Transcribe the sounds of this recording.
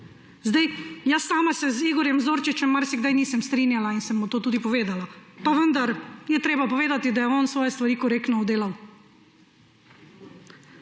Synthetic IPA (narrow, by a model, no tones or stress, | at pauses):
zd̪ajjasːaːmasɛziːɡɔɾjɛmzoːɾt͡ʃit͡ʃɛmːaɾsɛɡd̪ajniːsɛmst̪ɾiːnjalainsɛmːɔt̪oːt̪uːd̪ipɔʋeːd̪alapaʋənd̪aɾjɛt̪ɾeːbapɔʋeːd̪at̪id̪ajɛɔːnsʋɔːjɛst̪ʋaɾiːkɔɾeːknɔɔd̪eːlaw